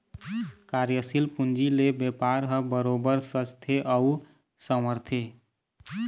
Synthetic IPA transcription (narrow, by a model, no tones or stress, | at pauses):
kaɾjəsilpund͡ʒilebjepaɾɦə̃bəɾobəɾsət͡ʃt̪ʰeʔəu | səməɾt̪ʰe